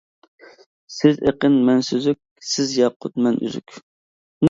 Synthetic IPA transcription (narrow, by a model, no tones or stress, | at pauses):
sɪzeqənmɛnsøzyk̚ʲsɪzjɑqʰːʊt̪mɛnʔy̰zy̰kʲ | n